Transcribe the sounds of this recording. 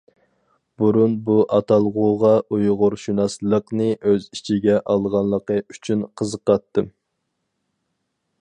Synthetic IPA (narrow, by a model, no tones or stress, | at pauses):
buɾunbuʔɑt̪ʰɑlˠʁʊʁɑʔujʁʊɾʃunɑslˠəqnɨʔøzit͡ʃʰiɡʲɛʔɑlˠʁɑnlˠəqəy̥t͡ʃʰynqʰəzəqɑt̪ːɨ